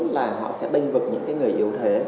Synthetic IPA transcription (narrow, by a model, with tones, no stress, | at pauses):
laː˨˩ɦɔ̰˧˨sɛ̰˧˥ɓï˧ŋ̟vɨ˨˩k̚ɲɨ̰˧˥ŋkaː˨˦jŋɨ˨˩əjʔi˨˧˩əwt̪ʰe˨˦